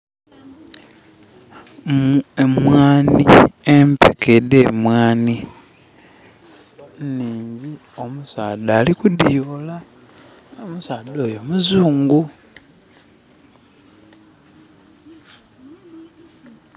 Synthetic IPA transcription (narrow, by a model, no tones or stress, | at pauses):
memwaːniempekedeːmwaːni | niːɲɟi | omusaːdaːlikudijola | omusaːdo̞ːjo̞muzuːŋɡu